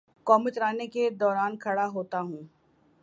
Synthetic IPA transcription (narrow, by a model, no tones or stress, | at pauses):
kɔːmɪt͡ʃɾaːneked̪ɔːɾaːnkʰɐɽaɦoːt̪aɦũː